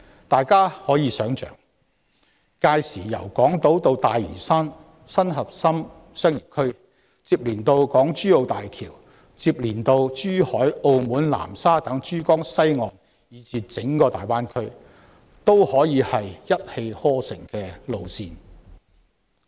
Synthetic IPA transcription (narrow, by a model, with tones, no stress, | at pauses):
t̪aː˨jkaː˥hɔː˨˥jiː˨˧sœː˨˥ŋt͡ʃœ̰ː˨˩ŋ | kaː˧jsiː˨˩jɐ̰˨˩wkɔː˨˥ŋt̪o˨˥wt̪o˧wt̪aː˨jḭː˨˩saː˥n | sɐ˥nɦɐ˨p̚sɐ˥m | sœː˥ŋji˨˩p̚kʰɵ˥ | t͡siː˧p̚liː˨˩nt̪o˧wkɔː˨˥ŋt͡ʃyː˥o˨˧wt̪aː˨jkʰiː˨˩w | t͡siː˧p̚liː˨˩nt̪o˧wt͡ʃyː˥hɔː˨˥jo˧wmuː˨˥nla̰ː˨˩msaː˥t̪ɐ˨˥ŋt͡ʃyː˥kɔː˥ŋsɐ˥jŋɔː˨n | jiː˨˧t͡siː˨˧t͡sɪ˨˥ŋkɔː˧t̪aː˨jwaː˥nkʰɵ˥ɥ | t̪o˥whɔː˨˥jiː˨˧hɐ˨jjɐ˥t̚he˧jhɔː˥sɪ̰˨˩ŋkɛː˧lo˧wsiː˧n